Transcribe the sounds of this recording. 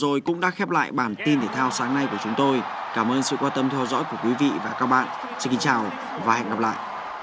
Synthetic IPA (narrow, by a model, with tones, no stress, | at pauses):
zo˨˩jkʊ̰˧˥ŋ͡mɗa̰ː˧˥xɛ˦˥p̚la̰ː˧˨jɓaː˧˩nt̪i˧nt̪ʰe˧˩t̪ʰaː˧wsaː˨˦ŋna˧jku˧˩t͡ɕʊ˨˦ŋ͡mt̪o˧j | kaː˧˩mʔəː˧nsɨ̰˧˨kwaː˧nt̪ə˧mt̪ʰɛ˧wzɔ̰˧˥jku˧˩əkwi˨˦vḭ˧˨vaː˨˩kaː˦˥k̚ɓa̰ː˧˨nʔ | sɨ˧ki˧ŋt͡ɕaː˨˩w | vaː˨˩hɛ̰˧˨ŋɣa˨˩p̚la̰ː˧˨jʔ